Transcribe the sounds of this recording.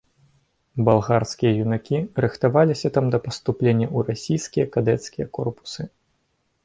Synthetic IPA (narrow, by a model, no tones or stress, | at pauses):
balˠɣarskʲijɐjunakʲiɾɨxt̪avalʲisʲɐt̪amd̪ɐpɐst̪uplʲenʲːɐurasʲijskʲijɐkad̪ɛt̪skʲijɐkɔrpu̥sɨ